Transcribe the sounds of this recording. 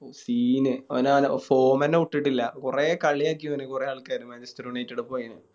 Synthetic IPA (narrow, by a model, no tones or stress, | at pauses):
osiːnɨɐ̰naːnfoːmɐnːeuʈːiʈːilːɐkureːkɐɭːijaːk̬ːiɐnːekureɐɭkːaːɾumɐd͡ʑɐstɐɾuɳetːiɽɨpoːjinɨ